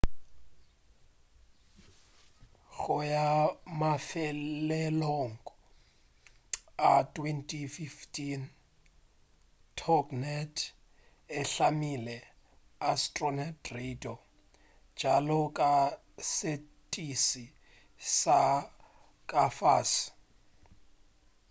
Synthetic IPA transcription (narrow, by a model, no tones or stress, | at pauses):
ɣʊjamafɛlɛloŋ̩kʼɔ | atʼwɛntʼʰififtʰin | tʰɔknɛtʰ | ɪɬamilɛ | astʼrɔnatredʼɔ̥ | d͡ʒ̥ʱalɔkʼa | se | tʼisi | sa | kʼafas